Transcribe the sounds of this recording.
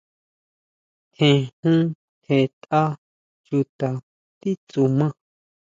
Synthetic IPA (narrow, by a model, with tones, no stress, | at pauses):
hẽ˨hũ˦ | he˧˨t̪a˦ | t͡ʃu˧t̪a˨ | t̪i˦t͡su˨˧mã˦